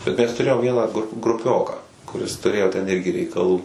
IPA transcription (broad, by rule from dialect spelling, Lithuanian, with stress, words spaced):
bʲɛt ˈmʲɛs tʊˈrʲeːjoːm ˈʋʲiɛnɑː ɡrʊ ɡrʊˈpʲoːkɑː kʊˈrʲɪs tʊˈrʲeːjoː tʲɛn ˈɪrʲɡʲɪ rʲɛɪkɐˈlˠuː